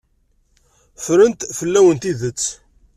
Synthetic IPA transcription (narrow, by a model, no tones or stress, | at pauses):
fɾənt̪fəlːæwənt̪iðət͡sː